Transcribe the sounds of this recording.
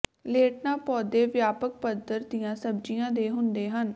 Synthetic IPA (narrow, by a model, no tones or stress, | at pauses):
leːʈ̚naːpɔːd̪eːʋjaːpək̚pəd̪əɾd̪ijãːsəb̚d͡ʒijãːd̪eːɦʊnd̪eːɦən